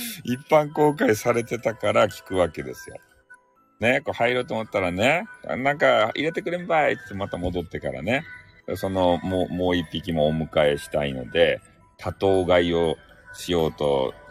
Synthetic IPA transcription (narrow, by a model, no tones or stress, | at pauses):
ipːãŋko̞ːkaisaɾe̞t̪e̞t̪akaɾakʲi̥kɯ̟βake̞d̪e̞sɨjo̞̰ | ne̞ko̞ːhaiɾɯːt̪oːmot̪ːaɾane̞̰nãŋkaiɾe̞t̪e̞kɯ̟ɾembat͡sɨ̥t̪ːemat̪amo̞d̪o̞t̪ːe̞kaɾa̰ne̞ | so̞no̞momo̞ːipʲːikʲimo̞ːmɯ̟kae̞ɕi̥t̪aino̞̰d̪e̞ | t̪ʰat̪o̞ːɡaio̞ɕijo̞ːt̪o̞̰